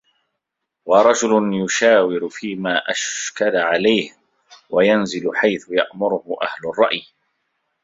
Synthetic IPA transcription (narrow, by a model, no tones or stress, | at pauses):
wɑɾˤɑd͡ʒʊlʊnjʊʃaːwɪɾʊfiːmaːʔaʃkalaʕalajh | wajanzɪlʊħajθʊja̰ʔmʊɾʊhʊʔa̰hlʊrˤːɑʔj